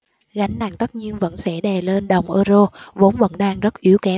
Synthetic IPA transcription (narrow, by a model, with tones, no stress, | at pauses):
ɣa˨˦jŋ̟na̰ː˧˩ŋt̪ə˦˥t̚ɲi˧ənvə̰˧˥nsɛ̰˧˥ɗɛ˨˩le˧nɗə˨˩wŋ͡mʔəː˧zo˧vo˨˦nvə̰˧˥nɗaː˧ŋzə˦˥t̚ʔi˨˦əwkɛ˨˦